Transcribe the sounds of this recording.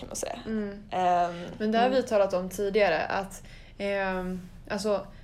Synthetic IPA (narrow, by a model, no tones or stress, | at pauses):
anə̰sḛː | mɛnd̪ɛhaɾvɪt̪ʰɑːlat̪ɔmt̪ʰiːd̪ɪɡaɾə̰ʔa̰t̪ | ʔals̬ɔ